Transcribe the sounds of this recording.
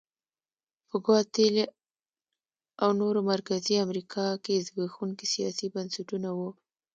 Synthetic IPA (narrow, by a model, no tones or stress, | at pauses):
pəɡɑt̪ɪl | awnoɾomaɾkaziamɾikʰɑkezɡaxuŋkisijɑ̰sibansaʈunawu